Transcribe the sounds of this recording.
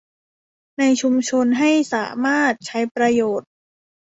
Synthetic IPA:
na˧jt͡ɕʰu˧mt͡ɕʰo˧nɦa˥˩jsa̰ː˩˦maː˥˩t̪̚t͡ɕʰa˦˥jpɾa˧joː˨˩t̪̚

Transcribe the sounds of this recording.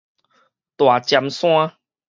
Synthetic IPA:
t̪wa˨˩t͡ɕja˧msw̃ã˦

